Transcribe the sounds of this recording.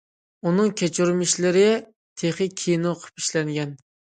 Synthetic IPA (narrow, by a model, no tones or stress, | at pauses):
unɨŋkʲʰɛt͡ʃʰuɾmɪʃlɪɾɪ | t̪ʰeχɨkʲʰijnoqʰə̥pi̥ʃlɛŋɡʲɛn